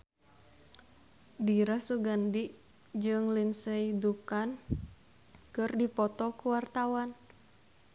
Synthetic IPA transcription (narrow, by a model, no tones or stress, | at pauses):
diɾasuɡandi | d͡ʒɨŋlinsɛidukan | kɨrdipɔt̪ɔkuwart̪awan